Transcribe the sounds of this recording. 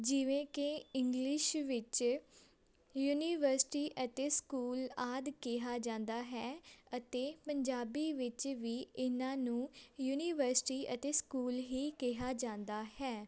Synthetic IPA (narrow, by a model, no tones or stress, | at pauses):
d͡ʒɪʋẽːkeɪŋɡlɪʃʋɪt͡ʃ | juːniːʋəɾsʈiːʔət̪eːskuːlaːd̪kɪɦaːd͡ʒãːnd̪aːɦɛːət̪eːpəɲd͡ʒaːbiːʋɪt͡ʃʋiːɪnãːnũːjuːniːʋəɾsʈiːʔət̪eːskuːlɦiːkɪɦaːd͡ʒãːnd̪aːhɛː